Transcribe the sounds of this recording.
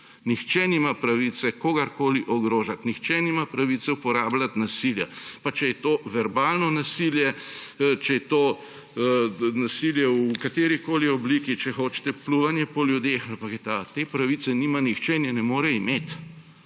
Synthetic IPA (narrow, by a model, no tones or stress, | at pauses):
nixt͡ʃɛniːmapɾaʋit̪sɛkoːɡaɾkoːliʔɔɡɾoːʒat̪nixt͡ʃɛniːmapɾaʋit̪sɛupɔɾaːblʲat̪nasiljapat͡ʃɛjɛt̪oːʋɛɾbaːlnɔnasiljɛ | t͡ʃɛjɛt̪oː | nasiljɛwkat̪eːɾikoːliɔbliːkit͡ʃɛxoːt͡ʃɛ̥t̪ɛpluʋanjɛpɔljud̪exɐpakɛt̪at̪eːpɾaʋit̪sɛniːmanixt͡ʃɛnjɛnɛmoːɾɛimeːt̪